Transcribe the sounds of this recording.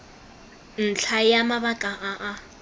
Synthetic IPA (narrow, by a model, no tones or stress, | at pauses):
n̩t͡ɬʰajamabakʼaʔaʔa